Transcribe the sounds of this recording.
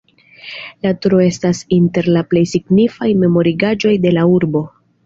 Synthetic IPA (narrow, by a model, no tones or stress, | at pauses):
latuɾoe̞stasinte̞ɾlaple̞jsiɡnifajme̞mo̞ɾiɡad͡ʒo̞jde̞lauɾbo̞